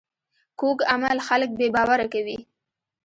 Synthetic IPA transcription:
kokamalxalək̚bebɑwaɾakawi

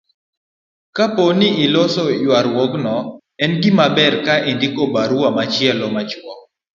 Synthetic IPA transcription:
kaponɪʔɪlɔsɔjwaɾwɔɡnɔ | ɛnɡɪmabɛrkaindɪkobaɾuamat͡ʃɪɛlɔmat͡ʃwɔk̚

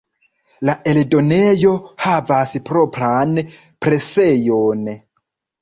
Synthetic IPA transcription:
laeldo̞nejo̞havaspɾo̞pɾan | pɾe̞se̞jon

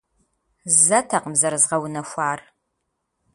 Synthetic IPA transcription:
zɐtʰɐqəmzɐɾzʁɐwnɐxʷaːr

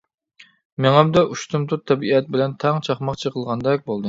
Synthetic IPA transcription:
meŋæmd̪ɛʔuʃt̪umt̪ʰut̪ʰːɛbiɛt̪̚bɪlɛnt̪ʰɑŋt͡ʃʰɑχmɑqt͡ʃʰəqəlˠʁɑnd̪ɛk̚ʲbolˠd̪ɨ

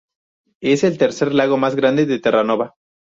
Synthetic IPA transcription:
e̞se̞lt̪eɾse̞ɾlaɣo̞mazɣɾand̪eðet̪erano̞βa

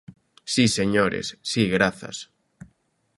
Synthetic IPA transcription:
siseɲoɾḛsːiɣɾaθa̰s

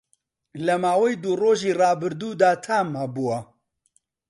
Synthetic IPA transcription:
lɐmaːwɛjd̪uroːʒiːrɑːbɨɾd̪uːd̪aːt̪ʰaːmabuwɐ

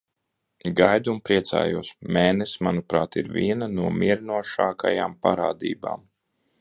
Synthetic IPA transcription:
ɡajd̪umpɾiɛt̪sa̰ːjuɔsmɛːnɛsmanupɾaːt̪iɾvʲiɛnanuɔmʲiɛɾnuɔʃaːka̰jaːmpa̰ɾaːd̪ḭːba̰ːm

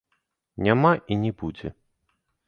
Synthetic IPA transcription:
nʲamaʔinʲɛbud͡zʲɛ̰

